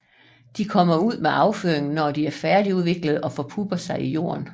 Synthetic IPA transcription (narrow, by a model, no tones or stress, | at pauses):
d̥ikʰɒ̽m̰ɐuð̞̰ˠmeɑ̈ʊføɐ̰e̝ŋn̩nɒd̥iæɐfæɐd̥iuð̞ˠʋe̝ɡ̥lð̞̩ˠɒ̽fɒ̽pʰub̥ɐsɑ̈ɪʔijo̝̰ːɐ̰n